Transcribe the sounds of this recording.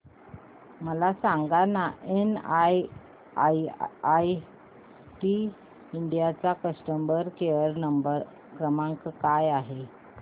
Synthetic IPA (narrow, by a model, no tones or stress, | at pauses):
məlasãŋɡanaʔenaj | aaj | ʈi | iɳɖijat͡sakəsʈəmbəɾkeəɾnəmbəɾ | kɾəmaŋkkajaɦe